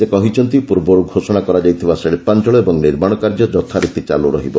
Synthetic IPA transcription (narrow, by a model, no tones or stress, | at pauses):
ekɔɦit͡ʃʰɔnt̪ipuɾbɔɾuɡʱosɔɽ̃akɔɾad͡ʒajt̪ʰibaseɭipant͡ʃɔɭɔebɔŋniɾmaɽ̃ɔkaɾd͡ʒɔd͡ʒɔt̪ʰaɾit̪it͡ʃa̰lṵɾɔ̰ɦibɔ